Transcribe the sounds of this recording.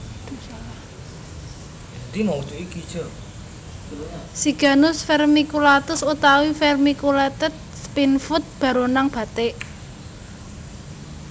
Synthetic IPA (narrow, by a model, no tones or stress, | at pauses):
d̪iŋɔwu̥t͡ʃ̪uiki̥ʒ̥ɔ | siɡ̥a̤nʊsfɛrmikulat̪ʊsut̪awifɛrmikulɛt̪ət̪̚spinfʊt̪̚b̥ä̤ɾonaŋb̥ä̤t̪eʔ